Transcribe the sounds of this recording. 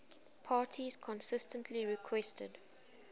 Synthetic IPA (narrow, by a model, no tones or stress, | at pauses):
pʰaːtʰiz̥kʰɔ̃nsɪstə̃ntʰliɹikʰwɛstə̰d